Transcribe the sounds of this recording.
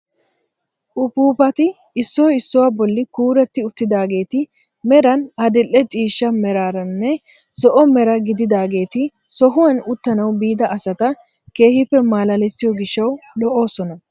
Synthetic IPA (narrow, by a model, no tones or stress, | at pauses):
ʔʊpuːpɐt̪ɪ | ɪsːɔjɪsːɔwabɔlːɪkuːɾɛt̪ːɪʊt̪ːɪd̪aːɡe̞ːt̪ɪ | mɛɾɐnɐd̪ɪlːɛt͡ʃʼiːʃːɐmɛɾaːɾɐnːɛ | sɔʔɔmɛɾɐɡɪd̪ɪd̪aːɡe̞ːt̪ɪ | sɔɦʊwɐnʊt̪ːɐnɐwbiːd̪ɐʔɐsɐt̪ɐ | ke̞ːhɪpːɛmaːlɐlɛsːɪjɔɡɪʃːɐwɗɔʔo̞ːsɔnɐ